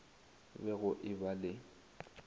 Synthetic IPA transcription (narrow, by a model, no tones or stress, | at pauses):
bɛɣʊʔɪbalɪ